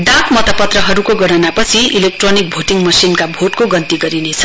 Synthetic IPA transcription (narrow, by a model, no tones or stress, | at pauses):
d̪ãkmʌt̪ʌpʌt̪rʌɦʌɾukoɡʌɽ̃ʌnapʌt͡sʰiʔilek̚ʈronik̚bʱoʈiŋmʌsinkabʱoʈkoɡʌnt̪iɡʌɾinet͡sʰʌ̥